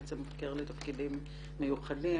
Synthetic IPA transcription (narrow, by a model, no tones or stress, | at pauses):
t͡semkeʁletafkidimː | ejuχadi